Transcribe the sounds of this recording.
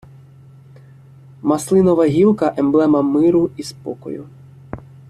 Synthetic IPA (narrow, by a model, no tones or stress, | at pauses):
mɐslˠɪnɔʋɐɦʲilˠkɐʔɛmblˠɛmɐmɪɾʊispɔ̰kɔ̰jʊ̰